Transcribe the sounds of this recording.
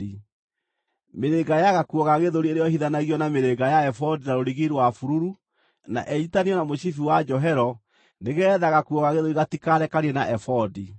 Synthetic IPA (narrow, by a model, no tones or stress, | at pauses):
i | meɾeɡajaɣakuɔɣaɣeðoɾieɾejɔhiðanaɣiɔnameɾeɡajaɛfɔdinaɾoɾiɣiɾwafuɾuɾu | na̰ʔɛitaniɔnamoɕifiwad͡ʒɔɦɛɾɔ | neɣɛðaɣakuɔɣaɣeðoɾiɣatikaɾɛkaɾiɛnaʔɛfɔdi